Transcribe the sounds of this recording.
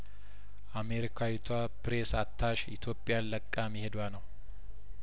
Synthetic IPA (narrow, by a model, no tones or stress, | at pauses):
ʔameɾikʰajɪt̪ʰwa | pɾesat̪ʰːaʃḭt̪ʰjopʼːɪjanləkʼːamihed̪wanəw